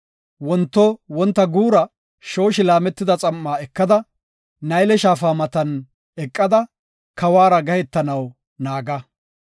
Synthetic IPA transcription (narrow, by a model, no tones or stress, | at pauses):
wɔnt̪ːɔwɔnt̪ːɐɡuːɾɐ | ʃo̞ːʃɪlaːmɛt̪ːɪd̪ɐt͡sʼɐmːaːɛkːɐd̪ɐ | nɐjlɛʃaːfaːmɐt̪ɐn | ɛkʼːɐd̪ɐ | kɐwaːɾɐɡɐhɛt̪ːɐnɐw | naːɡɐ